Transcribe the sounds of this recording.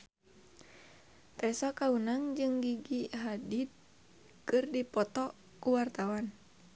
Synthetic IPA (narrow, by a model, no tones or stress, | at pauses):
t̪ɛsɔkaunaŋd͡ʒɨŋɡiɡiɦadid̪̚ | kɨrdipɔt̪ɔ | kuwart̪awan